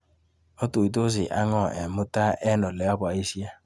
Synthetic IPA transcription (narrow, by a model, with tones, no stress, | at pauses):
ɔ˦to˨i˨t̬o˦zɪ˨ʔa˦ŋɔ˦˨ɛ˨mʊ˦ta˦ʔɛ˦nɔ˨lɛ˨a˦ba˨i˦si˦a˦